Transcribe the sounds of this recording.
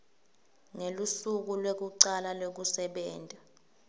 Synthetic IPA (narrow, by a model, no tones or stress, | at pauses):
ŋelusuk̬ulwek̬uǀalalok̬usɛɓɛːnta